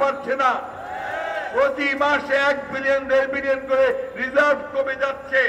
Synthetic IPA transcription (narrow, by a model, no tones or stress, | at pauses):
paɾːt͡ɕʰena | pɾot̪imaʃɛk̚bilijond̪eɾbilionkoɾeɾizaɾbʱkomed͡ʑatːɕʰe